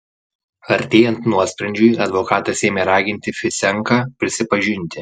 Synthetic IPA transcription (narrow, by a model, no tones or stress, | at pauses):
ɐɾʲt̪ʲeːjɛnt̪nuɔsʲpʲɾʲɛnʲd͡ʒʲʊjɐd̪ʋɔkɑːt̪ɐsʲeːmʲeɾɑːɡʲɪnʲt̪ʲɪfʲɪsʲɛŋˑkɑpʲɾʲɪsʲɪpɐʒʲɪnʲt̪ʲɪ